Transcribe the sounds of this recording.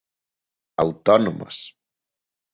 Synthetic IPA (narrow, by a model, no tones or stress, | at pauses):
a̰wt̪ɔnomə̰s